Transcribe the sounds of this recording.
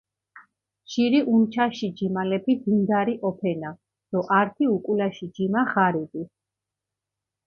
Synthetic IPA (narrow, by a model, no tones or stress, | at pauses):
ʃiɾiʔumt͡ʃʰaʃid͡ʒimalɛpʰid̪ind̪aɾiʔɔpʰɛna | d̪̥ɔʔaɾt̪ʰiukʼulaʃid͡ʒimaʁaɾid̪i